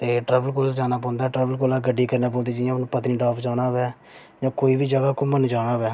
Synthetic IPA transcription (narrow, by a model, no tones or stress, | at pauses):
t̪eːʈɾɛːbəlkoːlad͡ʒaːnaːp̬ɔ̃ːnd̪aɛːʈɾɛːbəlkoːlaːɡəɖːiːkəɾnaːp̬õːd̪iːd͡ʒəjãːnũːpət̪niːɖaːpd͡ʒaːnaːbɛː | d͡ʒãːkoːiːbiːd͡ʒəɡaːkʊmənd͡ʒaːnaːʋɛː